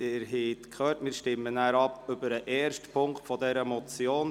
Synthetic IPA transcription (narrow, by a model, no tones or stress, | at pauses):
ɪɾɦɛtkʰhœːtmɪːɾʃtɪmːənæːɾɑpɵbəɾəʔɛːrʃtpʰʊŋktfɔdɛɾəmɔt͡sjoːn